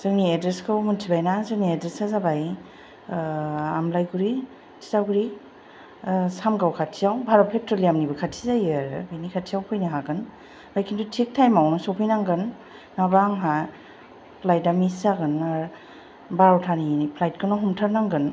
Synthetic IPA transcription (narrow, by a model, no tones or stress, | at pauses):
z̥ɯŋniedɾeskʰɯwmuntʰibajnazɯŋniedɾesazabaj | amlajɡuɾi | tʰi̥zaɡuɾi | samɡawkʰatʰijawbʱaɾɔpʰlek̚tɔliamnibɯkʰatʰizajaɾɯbijnikʰatʰijawpʰɔjniɦaɡɯn | bajkʰintʰutʰik̚tʰajmawnɔsowpʰijnaŋɡɯnː | abaŋɦa | pʰlajt̚damisaɡɯnaɾ | baɾɔwtʰanipʰlajt̚kʰɯnaɦumtʰaɾnaŋɡɯn